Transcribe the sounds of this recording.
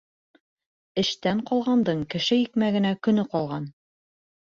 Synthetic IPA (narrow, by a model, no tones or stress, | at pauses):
ɘ̆ʃt̪æɴqɒlˠʁɑnd̪ɤɴkɘ̆ʃɘjikmæɡɘ̆nækɵ̆nɵqɒlˠʁɑn